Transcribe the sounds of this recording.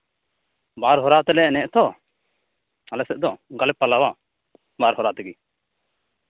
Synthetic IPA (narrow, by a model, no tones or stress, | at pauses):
baɾɦɔɾat̪ɛlɛnɛʔt̪ɔ | alɛsɛʔ̚d̪ɔɡalɛpːalawa | baɾɦɔɾat̪ɛɡi